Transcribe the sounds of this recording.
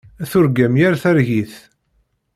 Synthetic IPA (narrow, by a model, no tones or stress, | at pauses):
æθʊɾɡæmjæɾθæɾʝiθ